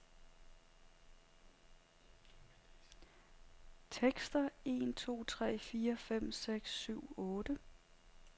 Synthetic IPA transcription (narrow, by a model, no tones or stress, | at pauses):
t͡sʰeɡ̥sd̥ɐe̝̰ːnt͡sʰo̝̰ːt͡sʰʁɛ̰ːfiːɐfem̰seɡ̥sːyʊ̰ɔ̽ːd̥ə